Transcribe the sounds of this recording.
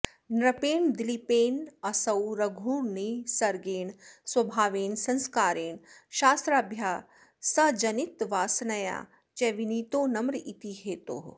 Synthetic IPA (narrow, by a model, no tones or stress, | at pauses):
nɾɐpeːnd̪ilipeːnɐsɐwɾɐɡʱuːɾnisɐɾɡeːnswɐbʱaːʋeːnsɐ̃nskaːɾeːnʃaːst̪ɾaːbʱjaː | sɐd͡ʒɐnit̪ʋaːsnɐja̰ː | t͡ʃeʋiniːt̪oːnɐmɾit̪iɦeːt̪o̰ː